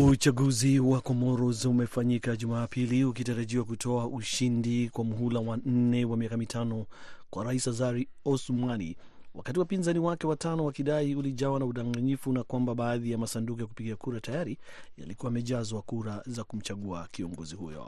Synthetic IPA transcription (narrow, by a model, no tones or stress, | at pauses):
ut͡ʃaɡuziwakɔmɔɾɔzumɛfaɲikaʄumaːpiliukitaɾaʄiwakutʰɔaʔuʃindikwamuɦulawan̩nɛwamiakamitʰanɔkwaɾaisazaɾi | ɔsmwanḭ | wakatiwapinzaniwakɛwatanɔwakiɗaiuliʄawanauɗaŋɡaɲifunakwambaɓaːðijamasanduk̬ɔjakupiɡiakuɾatajaɾija̰likuwamɛʄazwakuɾazakum̩t͡ʃaɠua̰kiɔŋɡɔzihṵjɔ̰